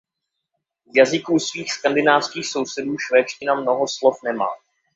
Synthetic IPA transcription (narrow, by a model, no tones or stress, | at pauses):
zjazɪkuːsviːxskandɪnaːfskiːxso̞wsɛduːʃvɛːt͡ʃcɪnamno̞ɦo̞slo̞fnɛma̰ː